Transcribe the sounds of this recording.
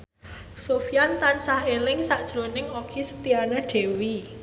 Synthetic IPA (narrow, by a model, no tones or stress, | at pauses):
sofijant̪ansahelɪŋsaʔd̥ʒ̥ɾonɪŋoɡ̥isə̥t̪ianaɖ̥e̤wi